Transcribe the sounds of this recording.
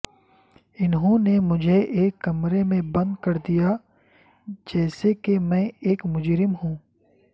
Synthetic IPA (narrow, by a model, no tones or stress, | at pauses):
ɪnɦõnemʊd͡ʒʱeʔeːkːɐmɾemẽbɐ̃nd̪kɐɾd̪ija | d͡ʒɛːsekemɛ̃eːkmʊd͡ʒɾɪmɦũː